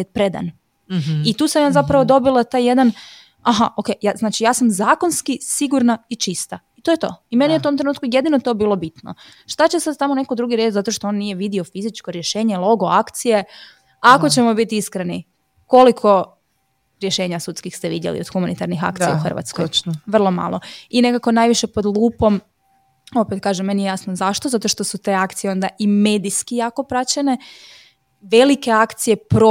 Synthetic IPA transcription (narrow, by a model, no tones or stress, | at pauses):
et̪̚pɾed̪a̰n | it̪uːsamjaːzapɾaʋod̪o̞bilˠat̪ajje̞d̪an | aɦaʔoke̞jjaznaːt͡ʃijaːsamzaːko̞nskisiɡuɾnait͡ʃist̪ait̪ojet̪o̞̰ːime̞nijeut̪o̞mt̪ɾenuːt̪kujed̪ino̞t̪o̞biːlˠo̞bit̪no̰ | ʃt̪at͡ɕesad̪̚t̪amonekod̪ɾuɡiɾet͡ʃzat̪o̞ʃt̪ooːnːije̞ʋid̪io̞fizit͡ʃkoɾje̞ʃe̞ːɲe̞lˠo̞ɡo̞akt̪sije̞ | ako̞t͡ɕe̞mo̞bit̪iiskɾeni | ko̞likʰo̞ | ɾjeʃe̞ːɲasut̪skixst̪eʋid̪jḛlḭod̪xumanit̪aɾnixa̰k̚t̪sijauxər̩ʋa̰t̪skojʋr̩lˠo̞ma̰lˠoine̞kako̞najʋiʃepo̞d̪lˠuːpo̞m | o̞pet̪̚kaːʒemːenijejasnozaʃt̪ozat̪o̞ʃt̪o̞sut̪e̞ːakt̪sijeo̞nd̪aʔime̞d̪iskijako̞pɾat͡ɕene̞ | ʋe̞like̞akt̪sije̞pɾo